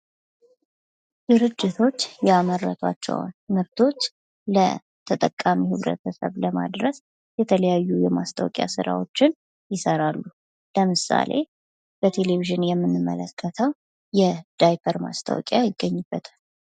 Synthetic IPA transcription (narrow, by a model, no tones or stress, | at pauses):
d̪̥ɨɾɨd͡ʒːɪt̪ʰo̞t͡ʃːjɛaməɾːə̰t̪ʰa̰t͡ʃːɛ̰wnɨmɨɾt̪ʰo̞t͡ʃː | lə̰ | t̪ʰət̪ʼəkʼːamihɨβɾə̰t̪ʰəsə̰βləma̰d̪ɾəs | jɛt̪ʰələjajːujɛmast̪ʰa̰wkʼja̰sɨɾa̰wo̞t͡ʃːɪn | jɪsəɾalːu | ləmɨsa̰le̞̰ | b̥ət̪ʰe̞le̞βiʒɪnjɛmːɨnːɨmːə̰ləkʰːət̪ʰəw | jɛd̪̥ajpʰəɾma̰st̪ʰa̰wkʼjajɪɡːəɲːɨbːət̪ʰal